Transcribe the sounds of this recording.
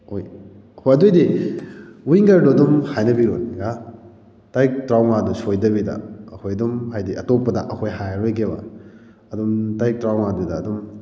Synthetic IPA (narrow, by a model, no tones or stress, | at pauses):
oj | hoɐdojdi | wiŋɡɐɾduɐdumhajnɐbiɾoniɡa | tajk̚tɾawŋadusojdɐbidɐ̰ːkʰojɐdumɦajdiɐtopːɐdɐʔɐkʰojɦajɾojɡebɐ̰ | ɐdumtajk̚tɾawnadudɐːdum